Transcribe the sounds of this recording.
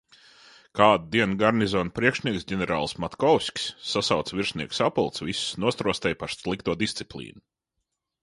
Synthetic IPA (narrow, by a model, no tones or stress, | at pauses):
kaːd̪̚d̪iɛnɡaɾnizɔːnpɾiɛkʃnʲiɛksɟʲɛnʲɛɾa̰ːlˠsmat̪kɔwsʲkʲsːasawt̪sviɾʃniɛksapulˠt̪svissnuɔt̪ɾuɔst̪ɛjpaɾslˠikt̪uɔd̪ist̪sʲi̥plʲˠḭːnu